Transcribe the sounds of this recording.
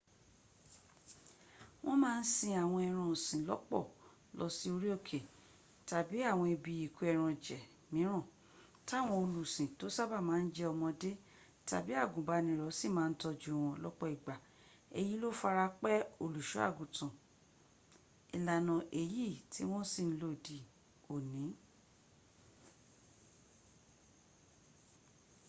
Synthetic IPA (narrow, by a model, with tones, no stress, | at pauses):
w̃ɔ̃˦mãː˦˧n̩˦sĩ˧a˨w̃ɔ̃˧ɛ˧ɾ̃ɔ̃˧õ˨sĩ˨lɔ̰˦k͡pɔ̰˦˨ | lɔ˧˦si˦o˧ɾi˦o˦˨kʰe˨ | ta˨bi˨˦a˦˨w̃ɔ̃˧i˧bi˧i˨ku˨˦ɛ˧ɾ̃ɔ̃˧d͡ʒɛ˨ | mĩ˨˦ɾ̃ɔ̃˦˨ | ta˦˨w̃ɔ̃˧o˧lu˨sĩ˨to˨˦sa˦ba˦˨mãː˨˦n̩˦d͡ʒɛ˧ɔ˧mɔ̃˧de˦ | ta̰˨bi˨˦a˦˨ɡũ˨ba˧˦nĩ˧˨ɾɔ˨˦si˦˨mãː˨˦n̩˦tɔ˧d͡ʒu˦˨w̃ɔ̃˧lɔ˦k͡pɔ˦i˨ɡ͡ba˨ | e˧ji˦lo˦fa˧ɾa˧k͡pɛ˦o˦˨lu˨ʃu˨˦a̰˦˨ɡũ˨tã˨ | i˨la˨nã˧ʔe˦˨ji˦˨tʰi˦w̃ɔ̃˦si˦˨n̩˦lo˦˨di˨˦ | o˨nĩ˨˦